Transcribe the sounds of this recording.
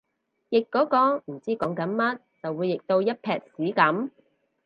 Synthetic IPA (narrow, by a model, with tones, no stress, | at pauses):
jɪ˨kːɔː˨˥kɔː˧m̩˨˩t͡siː˥kɔː˨˥ŋkɐ˨˥nmɐ˥t̚t͡sɐ˨wuː˨˧jːɪ˨k̚t̪o˧wjɐ˥t̚pʰɛː˧k̚siː˨˥kɐ˨˥m